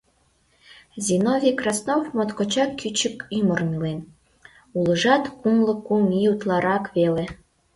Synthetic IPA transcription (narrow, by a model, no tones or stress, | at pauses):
zʲinovʲikrɑsnofmot̪kot͡ɕɑkːyt͡ɕə̆kymŏrmilen | ulˠɤ̆ʒɑt̪kumlˠɤ̆kumiut̪lˠɑɾɑkβele